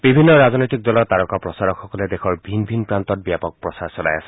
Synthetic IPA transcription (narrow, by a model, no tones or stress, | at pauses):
b̥ibʱinːɔɹaznɔjtik̚dɔlɔtaɹɔkapɹɔsaɹɔkxɔkɔlɛdexɔɹbʱinbʱinpɹantɔt̚bijapɔk̚pɹɔsaɹsɔla̰ja̰sɛ̥